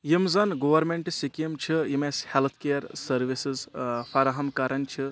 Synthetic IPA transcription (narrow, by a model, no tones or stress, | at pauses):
jimzɐnɡoʋɐɾmeɳʈsikɐmt͡ʃʰijimeshelt̪ʰkejɐɾsɐɾʋisizfʰɐɾaɦɐmkaɾʔɐnt͡ʃʰi